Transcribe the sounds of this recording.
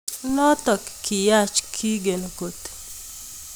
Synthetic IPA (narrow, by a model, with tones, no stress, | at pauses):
nɔ˦tɔ˨kːi˨ja˦˨t͡ʃkʰi˦ɡe˨no˨ko˨t̪